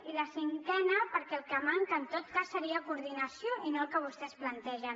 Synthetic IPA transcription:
iləsiŋkɛnəpəɾkɛlˠkəmaŋkəːnt̪ot̪̚kasːəɾiəkuɾðinəsjoʔinoəlˠkəβ̞ust̪ɛsplənt̪ɛʒə

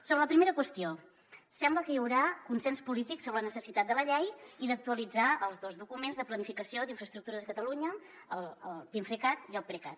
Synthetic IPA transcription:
soβɾələpɾimeɾəkwəst̪io | sɛmbləkəjəwɾakunsɛnspulit̪iksoβɾələnəsəsit̪at̪̚d̪ələʎɛjiðək̚t̪uəlid͡zaəlˠzðozðukumenzðəplənifikəsiod̪iɱfɾəst̪ɾuk̚t̪uɾəzəkət̪əluɲə | əlˠəlˠpiɱfɾəkat̪iəlˠpɾekat̪

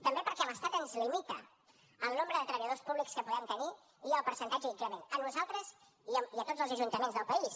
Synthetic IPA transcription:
t̪əmbepəɾkɛləst̪at̪ənzlimit̪ə | əlˠnombɾəðət̪ɾəβəjəðospuβlikskəpuɣɛmt̪əni | iəlˠpəɾsə̃nt̪ad͡ʒəit̪əmenənuzalˠt̪ɾəz | iət̪ozəlˠzəʒunt̪əmenzðəlˠpəis

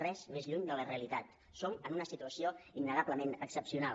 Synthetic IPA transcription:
rɛzmezʎuɲd̪ələreəlit̪at̪ | sowənunəsit̪uəsioinːəɣaβləmenəksəpsiuna

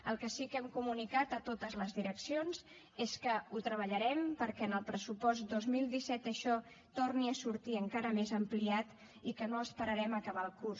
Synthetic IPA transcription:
əlˠkəsikɛmkumunikat̪ət̪ot̪əzləzðiɾəksionz | eskəut̪ɾəβəʎəɾɛmpəɾkɛənəlˠpɾəsupɔst̪d̪ozmilˠd̪isɛt̪əʃɔ | t̪orniəsuɾt̪iəŋkaɾəmezəmpliat̪ | ikənoəspəɾəɾɛməkəβ̞alˠkus

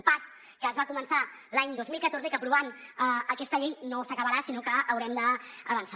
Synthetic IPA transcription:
pas | kəːzβakumənsa | laɲd̪ozmilˠkət̪oɾzəikəpɾuβanəəkɛst̪əʎejnosəkəβəɾasinokəːwɾɛmd̪əːβənsa

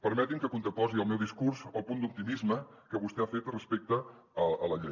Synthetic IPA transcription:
pəɾmɛt̪iŋkəkunt̪ɾəpɔziəlˠmewðiskuɾzəlˠpund̪up̚t̪imizməkəβust̪ɛafet̪rəspek̚t̪ə | əələʎe

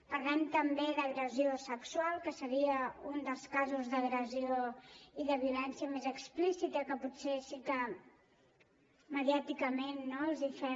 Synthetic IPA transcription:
pəɾlɛmt̪əmbeðəɣɾəziosəkswalˠkəsəɾiəund̪əlˠskazuzðəɣɾəzioiðəβiulɛnsiəmezəksplisit̪əkəputsesikə | məðjat̪ikəmenːoəlˠzifɛ

